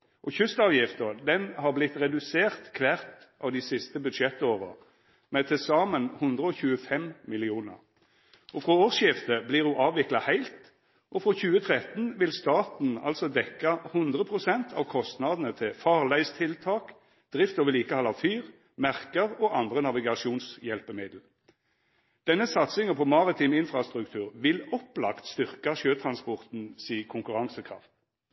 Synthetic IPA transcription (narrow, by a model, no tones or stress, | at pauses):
ʔɔçʉst̪ɑːʋjɪft̪əʁd̪ɛnhɑʁblɪt̪ːʁɛd̪ʉseːʁt̪kʰʋæʁt̪ʔɑːʋd̪ɪsɪst̪əbʉd̪ʃɛt̪ːoːʁə̰ | mɛt̪ʰɪsɑːmənhʊnd̪ʁəɔːçʉːəfɛmmɪlɪuːnə̰ʁ | ʔɔfɾɔoːʁsjɪft̪əblɪʁhʊʔɑːʋɪklɑhæɪlt̪ | ʔɔfʁɔçʉːət̪ʰʁɛt̪n̩ʋɪlst̪ɑːt̪n̩ɑ̰lsɔd̪ɛkːɑhʉnd̪ʁəpʰʁʊsɛnt̪ʰɑ̰ːʋkʰɔst̪nɑd̪nət̪ʰɪfɑːʁlæɪst̪ʰɪlt̪ʰɑːk | d̪̥ʁɪft̪oːʋəliːkəhɑlɑfyːʁ | mæʁkəʁoːʔɑnd̪ʁənɑʋɪɡɑʃjuːnsjɛlpəmɪd̪l̩ | d̪̥ɛnːəsɑt̪sɪŋəpʰɔmɑʁɪt̪ʰiːmɪnfʁɑst̪ʁʉkt̪ʰʉːʁʋɪlɔplɑ̰kt̪st̪ʏʁkɑʃøːt̪ʰʁɑnspɔʁt̪n̩siːkʰʊŋkʉʁɑŋsəkʰʁɑ̰ft̪